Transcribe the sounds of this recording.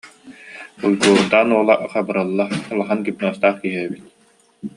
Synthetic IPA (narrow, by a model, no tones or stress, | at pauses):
ujɡuːɾd̪aːnuɔlˠaʔqabɯɾɯlˠːaalˠaχankip̚nuɔst̪aːχkiɦɛɛbit̪̚